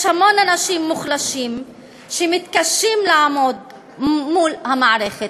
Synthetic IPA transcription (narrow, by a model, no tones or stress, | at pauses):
ʃhamo̞nanaʃimːuχlaʃim | ʃemit̪kaʃimlaamo̞d̪ | mulhamaʕʁe̞χet̪